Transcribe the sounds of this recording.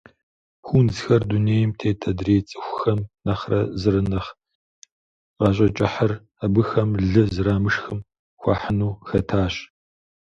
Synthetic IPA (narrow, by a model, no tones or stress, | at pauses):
xʷunzxɐrduneːjɪmtʰeːtʰɐdreːt͡sʼɨxʷxɐmnɐχrɐzɨɾɨnɐχ | ʁɑːɕ̬ʼɐt͡ʃʼɪħɐr | ɐbɨxɐmɮɨzɨɾaːmɨʂxɨm | xʷɑ̰ːħənuːxɐtʰaːɕ